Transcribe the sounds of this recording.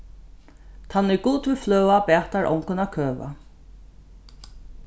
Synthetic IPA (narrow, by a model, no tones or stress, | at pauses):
t̪ʰanːɛɹɡuːt̪vɪflœːwapɛːt̪aɹʔɔ̰wŋkʊnakʰøːva̰